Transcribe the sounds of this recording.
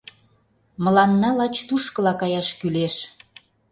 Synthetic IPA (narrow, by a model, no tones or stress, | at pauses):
mə̆lɑnːɑlɑt͡ɕt̪uʃkəlɑkɑjɑʃkyleʃ